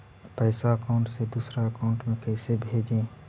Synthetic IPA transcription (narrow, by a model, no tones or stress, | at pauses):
pəɪsaəkaʊ̃ɳʈsed̪uːsɾaəkaʊ̃ɳʈmẽkɛɪsebʱeːd͡ʒẽ